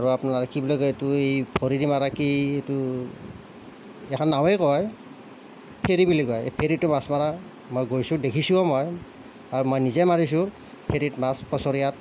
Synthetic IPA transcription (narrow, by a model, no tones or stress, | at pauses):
aɹuapunaaɹkibilɔjɡɔjetuejbʰʱoɹidimaɹakietu | ɛkʰɔnːawɛkɔj | pʰeɹibiliɡɔjepʰeɹitːʊmasmaɹa | mojɡojsʊ̃dekʰisuɔmɔj | aɹumɔjnizɛmaɹis̬ʊ̃ | pʰeɾitmaspɔsɔɹijat̚